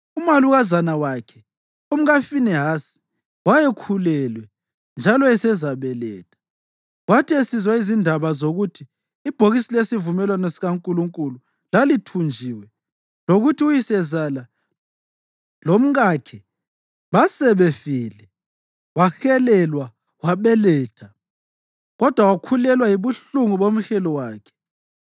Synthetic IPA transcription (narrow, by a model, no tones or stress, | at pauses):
umaluɣazanawakʰɛ | um̩ɣafinɛɦaːsi̥ | wajɛkʰulɛlwɛ | nd͡ʒʱalɔɛsɛzaβɛlɛ̰ːtʰḁ | watʰiesizwaizindʱaβazoɣutʰiː | b̥ʱoɣisilesivumɛlwanesiɣaŋkʼuluŋkʼulu | lalitʰund͡ʒʱiwɛ | loɣutʰiujisɛzala | lom̩ɣakʰɛ | βasɛβɛfiːlɛ | waxɛlɛlwa | waβɛlɛːtʰa | ɣɔd̥ʱwawakʰulɛlwajiβuɬuŋuβom̩ɬɛlɔwaːkʰɛ̥